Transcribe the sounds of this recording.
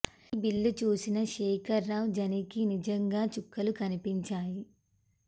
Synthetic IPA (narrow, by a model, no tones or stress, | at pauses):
bilːut͡ʃuːsinɐʃɛːkʰɐɾːaːwd͡ʒɐnikinid͡ʒɐŋɡaːt͡ʃukːɐlukɐnipiɲt͡ʃaːji